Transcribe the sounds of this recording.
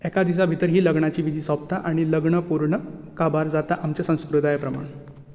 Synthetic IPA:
ɛkad̪is̬abʱit̪əɾɦiːləɡɳat͡ɕiːʋid̪ʱiːsʋap̚t̪ʰaʔaɽ̃iləɡɳəpuɾɳəkabaɾd͡zat̪aʔamt͡ɕesə̃w̃skɾud̪ʱajepɾəma̰ɳ

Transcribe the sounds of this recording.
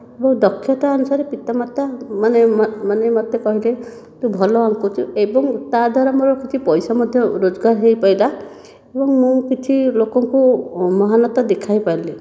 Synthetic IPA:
ebɔŋd̪ɔkʰːjɔt̪aɔnusaɾepit̪amat̪amanemmanemɔt̪ekɔɦile | t̪ũbʱɔlɔaŋkut͡ʃʰuebɔŋt̪ad̪ʱaɾɔmɔɾɔkit͡ʃʰipɔjsamɔd̪ʱjɔɾod͡ʒɔɡaɾɦejpajla | ebɔŋmũkit͡ʃʰilokɔŋkumɔɦanɔt̪ɔd̪ekʰajpajle

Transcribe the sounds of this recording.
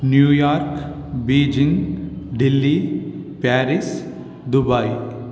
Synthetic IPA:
njuːjaːɾk | biːd͡ʒɪ̃ŋɡɖɪlːipɛːɾɪs | d̪ʊbai

